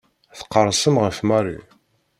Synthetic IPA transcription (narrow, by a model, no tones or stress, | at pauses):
θə̥qːəɾˤsəmʁəfmæɾḭ